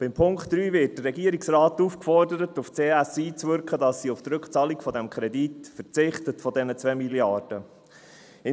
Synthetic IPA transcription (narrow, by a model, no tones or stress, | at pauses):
b̥ɪmpʰʊŋktːɾyːvɪt̚d̥əːɛɡiəɾiksrɑːtufkfɔrdəɾətuft͡seːæsiːt͡svʏɾkχədɑsːiʊft̪ɾɵkχt͡sɑːlikfɔd̪ɛmkʰχɾɛditfət͡sɪχtətfɔdɛnət͡sʋɛmiljɑɾd̥ə | ɪ